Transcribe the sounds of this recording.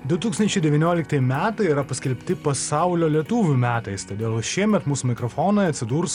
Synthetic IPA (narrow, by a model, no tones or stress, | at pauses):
d̪ʊt̪uːkst̪ɐnʲt͡ʃʲɛɪd̪ʲɛʋʲiːnʲoːlʲɪkt̪ɐjmʲæːt̪ɐɪiɾɐpɐsʲkʲɛlʲpʲt̪ʲɪpɐsɑˑʊlʲoːlʲiɛt̪uːʋʲumʲæːt̪ɐɪst̪oːd̪ʲeːlˠʃʲiɛmʲɛt̪muːsuːmʲɪkɾofoːnɐɪɐt̪ʲsʲɪd̪uːɾs